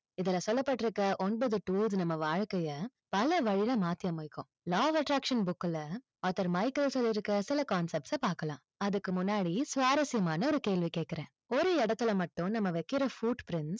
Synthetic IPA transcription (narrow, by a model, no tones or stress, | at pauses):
ɪðɪlɐsɔlːɐpːɐʈːɪɾɯkːɐʔɔnbɐðɯʈuːlðnɐmːɐʋaːɻkɐjɐ | pɐlɐʋɐɻɪlɐmaːt̪ːɪjɐmʊɪkːʊ̃ | laːʋɐʈɾaːkʂɐnbʊkːlɐ | aːt̪ːɐɾmɐɪkɐlsɔlːɪɾɯkːɾɐsɪlɐkaːnsɛp̚ʈsɐpaːɾkɐlã̰ː | ɐðɯkːɯmʊnːaːɽisʋaːɾɐsɪjɐmaːnɐɔɾɯkeːɭʋikeːʈ̚kːɪɾẽː | ɔɾɯɛɽɐt̪ːɯlɐmɐʈːʊ̃nɐmːɐʋɛkːɪɾɐfuːɖpɾɪnʈs